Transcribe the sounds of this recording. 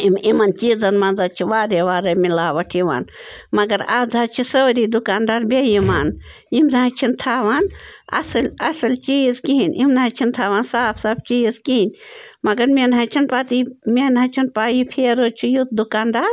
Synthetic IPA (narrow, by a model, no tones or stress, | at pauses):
imimɐnt͡ʃiːzɐnmɐnd͡zaːt͡ʃʰiʋaːɾeʋaːɾemilaːʋɐʈʰiʋa̰ːnmɐɡɐɾaːd͡zaːt͡ʃʰisoːɾiːd̪ukaːnd̪aːɾbʲejimaːn | imnãːt͡ʃʰint̪ʰaːʋaːnɐ̰sɐlɐsɐlt͡ʃiːzkiɦinʲimnãːt͡ʃʰint̪ʰaːʋaːnsaːpʰsaːbt͡ʃiːzkiinʲmɐɡɐɾmʲenɦat͡ʃʰinpaːt̪imʲenɦɐ̃ːt͡ʃʰinpaːjipʰeːɾoːt͡ʃʰijut̪̚d̪ukaːnd̪aːɾ